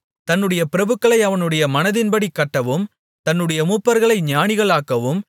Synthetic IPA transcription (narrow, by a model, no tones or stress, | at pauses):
t̪ɐnːɯɽɐjɐpɪɾɐbɯkːɐɭɐɪɐʋɐnɯɽɐjɐmɐnɐðɪnbɐɽikːɐʈːɐʋɯm | t̪ɐnːɯɽɐjɐmuːpːɐɾɣɐɭɐɪɲaːnɪɣɐɭaːkːɐʋɯm